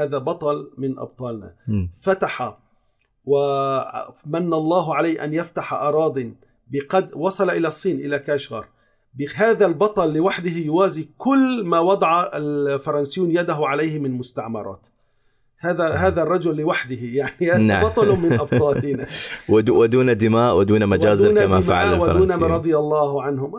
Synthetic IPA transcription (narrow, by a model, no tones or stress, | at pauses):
aːðabɑt̪ˤɑlmɪnʔɑ̰b̚t̪ˤɑːlna̰fat̪aħa | wɪ | manːalˤːɑːɦʕalaːʔa̰njaft̪aħaʔɑɾˤɑːd̪ˤi | bɪqɑd̪wɑsˤɑlaʔɪlasˤːiːnʔɪlakaʃɣɑɾˤ | bɪɦaːðalbɑt̪ˤɑlːɪwaħd̪ɪhɪjʊwaːzikʊlːmaːwɑd̪ˤɑʕafɑɾˤɑnsɪjːuːnjad̪aɦʊʕalajhɪmɪnlmʊst̪aʕmɑɾˤɑ̰ːt̪ | haːðaɦaːðarˤːɑd͡ʒʊlːɪwaħd̪ɪhɪjaʕniaaʕbɑt̪ˤɑlmɪnʔɑb̚t̪ˤɑːlina | wɪd̪uːnad̪ɪmaːʔwɪd̪uːnamad͡ʒaːzːnamaaʕa̰lwauːnaɾˤɑd̪ˤɨjɑlˤːɑːhʕanhʊm